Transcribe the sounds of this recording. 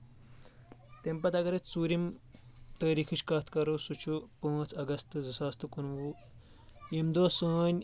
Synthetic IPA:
t̪empɐt̪ɐɡɐɾet͡suːɾimt̪əːɾiːkʰiɕkaːt̪ʰkɐɾosut͡ʃʰupə̃ːt͡sɐɡɐst̪ɨd͡zɐsaːst̪ɨkunʋu | jimd̪oːsəːnʲ

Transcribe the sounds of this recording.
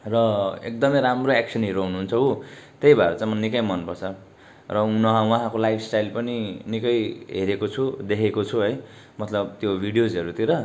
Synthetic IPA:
rʌḛk̚d̪ʌmʌjɾamroeksʰʌnɦeɾoɦunuɦːnt͡sʰʌut̪ejbʱaɾet͡sãj̃mʌnikʌjmʌnpʌrt͡sʰʌ | rʌunʌɦãwaɦãkolajpʰsʈajlpʌninikʌjɦeɾekot͡sʰud̪ekʰekot͡sʰuɦʌj | mʌt̪lʌbt̪jobʱiɽijod͡zʌɾut̪iɾʌ

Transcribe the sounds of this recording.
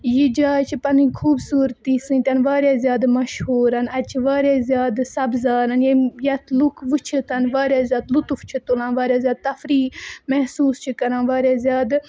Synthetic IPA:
jid͡ʒaːt͡ʃʰipɐnĩkʰuːbsuːɾt̪iːsɨ̃nt̪ʲɐnʋaːɾjaːzjaːd̪mɐʃhuːɾɐnɐd̪t͡ʃʰiʋaːɾaːzjaːd̪sɐbzaːɾɐnjijɐt̪ʰlukʰʋɨt͡ʃʰit̪ʰɐnʋaːɾjaːzjaːd̪lut̪uft͡ʃʰit̪ulãːnʋaːɾjaːzjaːd̪̚t̪ɐfɾiːmɛɦsuːst͡ʃʰikɐɾãːnʋaːɾaːzʲjaːd̪

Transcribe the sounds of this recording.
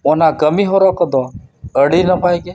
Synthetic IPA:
onakəmiɦoɾɔkəd̪ɔəɽinəpajɡe

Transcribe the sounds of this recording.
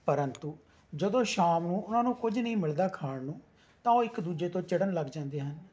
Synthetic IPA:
pəɾənt̪uː | d͡ʒəd̪õːʃaːmnũːʊnãːnũːkʊd͡ʒnəĩːmɪld̪aːkʰaːɽnũː | t̪ãːoːɪkd̪uːd͡ʒeːt̪õːt͡ʃɪɽənləɡd͡ʒãːnd̪eːɦən

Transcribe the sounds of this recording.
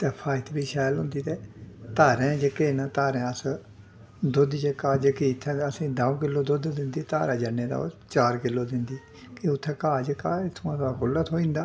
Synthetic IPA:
t̪ɛːpʰaːɪt̪biːʃɛːlɦʊnd̪iːt̪ɛːt̪aːɾɛ̃ːd͡ʒəkeːnat̪aːɾɛ̃ːəs | d̪ʊd̪d͡ʒəkaːd͡ʒəkit̪ʰːɛ̃əsĩːd̪aũkɪlːoːd̪ʊd̪d̪ɪnd̪iːt̪a̰ːɾaːd͡ʒənːeːd̪a̰ːo̰ːt͡ʃaːɾkɪlːoːd̪ɪnd̪iː | kiʊt̪ʰːɛ̃ːkaːd͡ʒəkaːɪt̪ʰõːt̪akʊlːət̪ɦoːĩːnd̪aː

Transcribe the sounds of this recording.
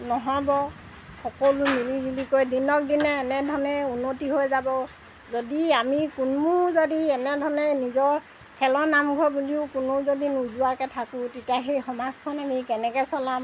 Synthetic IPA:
nɔɦɔjbɔ | xɔkolumilibilikojdinɔk̚dinɛːnɛdʱɔnɛunːotiɦojzabɔ | zodiamikʊnmuzodiɛnɛdʱɔɹnɛnizɔɹ | kʰɛlɔnamɡʱɔbuliʊkʊnʊzodinuzuakɛtʰakʊ̃tetiaɦejxɔmaskʰɔnamikɛnɛkɛsɔlam

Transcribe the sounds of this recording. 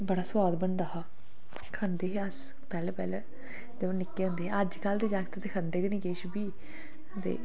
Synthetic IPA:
bəɽaːswaːd̪bəɳd̪aːɦaː | kʰə̃nd̪eːɦeəs | pɛːleːpɛ̰ːleː | d͡ʒə̃nɪkːeːʊ̃ːnd̪eːɛəd͡ʒkəld̪eːd͡ʒaːkt̪ːt̪ekʰə̃nd̪eːkəniːkeːʃbiː | t̪ḛː

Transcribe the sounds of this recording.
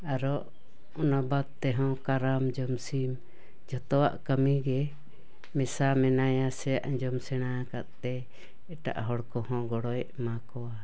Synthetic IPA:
aɾɔʔ | ɔnabad̪̚t̪ɛɦɔ̃kaɾamd͡ʒɔmsim | d͡ʒɔt̪ɔwa̰ʔkəmiɡɛ | mɛsamɛnajasɛjaʔd͡ʒɔmsɛɽ̃akaʔ̪t̪ɛ | ɛʈa̰ʔɦɔɽkɔhɔ̃ɡɔɽɔjʔmakɔwa

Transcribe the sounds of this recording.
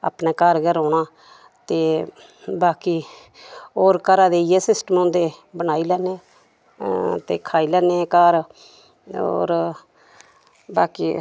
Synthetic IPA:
a̰ːpneːkaːɾɡəɾoːnaː | t̪eː | baːkiː | oːɾkəɾaːd̪eːijeːsɪsʈəmɔ̃ːnd̪eːbənaːiːlɛːnẽː | t̪ḛːkʰaːiːlɛːneːkaːɾ | o̰ːɾ | baːkiː

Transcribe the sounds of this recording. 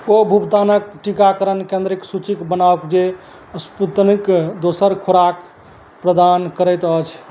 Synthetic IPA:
obʱubt̪anək̚ʈikakəɾənkẽnd̪ɾiksut͡ʃikbənawkd͡ʒe | əsput̪nikd̪osəɾkʰuɾak | pɾəd̪ankəɾət̪ət͡ʃʰ

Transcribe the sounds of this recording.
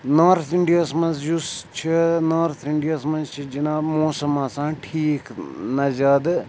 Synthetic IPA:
naːɾt̪ʰiɳɖijasmɐnzjust͡ʃʰinaːɾt̪ʰiɳɖijasmɐnzt͡ʃʰid͡ʒinaːmoːsɐmːasãːʈʰiːknɐzaːd̪

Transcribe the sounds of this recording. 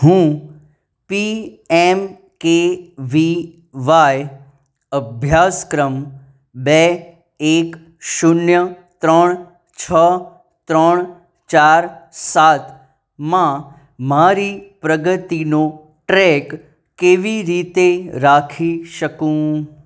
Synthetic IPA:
ɦũ | pi | em | keʋi | ʋaj | əbʱjaskɾəm | be | ek | ʃʊnjə | t̪ɾəɳ̃ | t͡ʃʰə | t̪ɾəɳ̃ | t͡ʃaɾsat̪ | mã | maɾipɾəɡət̪ino | ʈɾek | keʋiɾit̪eɾakʰiʃəkũ

